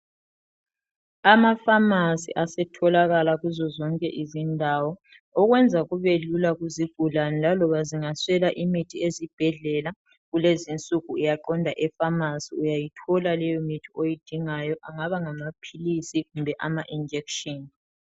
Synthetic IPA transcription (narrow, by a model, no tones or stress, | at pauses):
amafamasḭʔasɛtʰɔlaɣalaɣuzɔzɔŋkʼɛʔizindʱawɔ | ɔɣwɛnd͡zʱaɣuβelulaɣuziɡ̥ʱulanlalɔβaziŋaswɛlaʔimitʰiezib̥ʱɛɮɛla | ɣulezint͡sʼuɣuijaǃɔndʱaʔɛfamasiujajitʰɔlalɛjɔmitʰiojid̥ʱiŋajɔʔaŋaβaŋamapʰilisiɣumbʱɛʔamaʔind͡ʒʱɛkʃɔn